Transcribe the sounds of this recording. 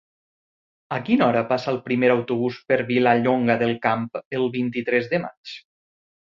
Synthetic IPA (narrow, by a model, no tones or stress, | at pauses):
əkinɔɾəpasaːlˠpɾimeɾawt̪uβ̞uspəɾβilaʎoŋɡaðəlˠkampəlˠβint̪it̪ɾɛzðəma̰t͡ʃ